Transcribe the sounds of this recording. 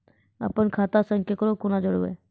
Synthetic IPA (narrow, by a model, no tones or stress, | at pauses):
ə̰pənkʰaːt̪asə̃ŋkʰjəkəɾokʊnad͡ʒəɽoʋḛ